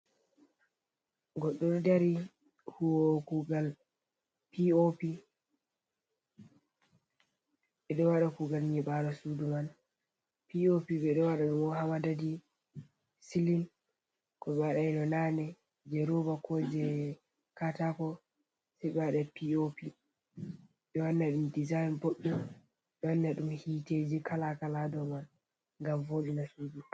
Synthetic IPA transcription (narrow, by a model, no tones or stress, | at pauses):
ɡɔɗːɔɾdaɾi | huwɔkuɡal | piopi | ɓɛɗɔwaɗakuɡalɲɛɓaɾɔsuduman | piopiɓɛɗɔwaɗaɗumɔɦawadadi | silin | kɔɓɛwaɗainɔnanɛ | d͡ʒɛɾobakɔd͡ʒɛ | katakɔ | sɛɓɛwaɗapiopi | ɓɛwanːaɗumdizajnboɗːu | ɓɛwanːaɗumhiːted͡ʒikalakaladɔman | ŋɡamvoɗinasuːdu